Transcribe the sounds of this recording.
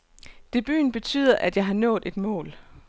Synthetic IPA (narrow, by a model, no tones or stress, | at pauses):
d̥e̝b̥y̰ːn̩b̥e̝t͡sʰy̰ːð̞̰ˠɐʔæd̥jɑ̈ɪɦɑ̈nɔ̰̽ːð̩ˠe̝d̥mɔ̰̽ːl